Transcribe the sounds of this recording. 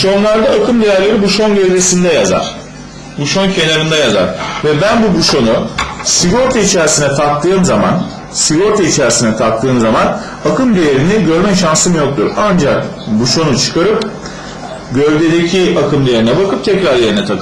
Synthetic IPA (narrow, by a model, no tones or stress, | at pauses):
ʃo̞nlˠaɾd̪aːkʰɯmd̪ejæɾlʲe̞ɾibuʃo̞nɟøvd̪esind̪ɛjaza̰ɾ̥ | buʃo̞ncʰe̞naɾɯnd̪ajaza̰ɾ̥vɛbænbubuʃo̞nusiɡo̞ɾt̪ʰait͡ʃʰæɾsinɛt̪ʰak̚t̪ːɯːmzama̰n | siɡo̞ɾt̪ʰait͡ʃʰæɾsinɛt̪ʰak̚t̪ʰːɯːmzaman | akʰɯmd̪ejeɾiniɟø̞ɾmɛʃansɯmujo̞k̚t̪ʰṵɾand͡ʒakbuʃo̞nut͡ʃʰɯ̥kʰaɾɯp̚ | ɟøvʲd̪e̞d̪ecʰiakʰɯmd̪ejeɾinɛbakʰɯp̚t̪ʰɛcɾaɾjeɾinɛt̪ʰakʰɯ